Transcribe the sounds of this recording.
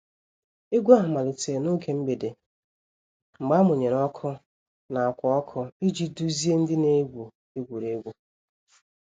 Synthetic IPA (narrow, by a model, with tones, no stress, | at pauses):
e˦ɡʷu˦a˦ɦʊ˨ma˨lɪ˨te˨no˦ke˨m̩˦be˨de˨ | ŋ͡m̩˨ɡ͡ba˦mʊ˨ɲe˨ɾɔ˦kʰɔ˦ | na˨a˨kʷɔ˨ɔ˦kʰɔ˦i˦d͡ʒi˦du˦zi˦e˦n̩˦dɪ˦ne˦ɡʷu˨ | e˦ɡʷu˨ɾe˦ɡʷu˦